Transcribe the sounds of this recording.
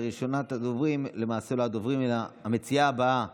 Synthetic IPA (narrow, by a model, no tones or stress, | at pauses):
ʁiʃonat̪ad̪ovʁimle̞maːseload̪ovʁimeame̞t͡siaːbaa